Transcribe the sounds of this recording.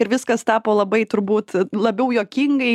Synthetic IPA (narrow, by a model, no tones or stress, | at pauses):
ɪɾʋʲɪskɐst̪ɑːpoːlˠɐbɐɪt̪ʊɾbuːt̪lˠɐbʲɛʊjoːkʲɪŋɡɐɪ